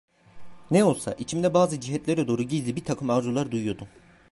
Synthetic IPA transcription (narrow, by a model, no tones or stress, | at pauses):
nɛo̞lˠsa̰ʔit͡ʃʰimd̪ɛbaːzɯd͡ʒiɦɛt̪lʲɛɾɛd̪o̞ːɾuɟizlʲibit̪ʰakʰɯmaɾzulˠaɾd̪ujujo̞d̪u